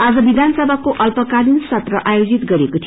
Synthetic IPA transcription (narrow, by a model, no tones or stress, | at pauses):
ad͡zʌbid̪ʱansʌbʱakoʔʌlpʌkanunsʌt̪rʌʔajod͡zit̪ɡʌɾekot̪ʰi